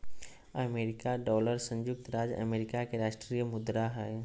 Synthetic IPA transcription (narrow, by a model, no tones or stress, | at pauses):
əmeːɾɪkaɖɔːləɾsə̃ɲd͡ʒʊk̚t̪ɾaːd͡ʒə̰meːɾɪkakeɾaːʃʈɾijəmʊd̪ɾaɦɛː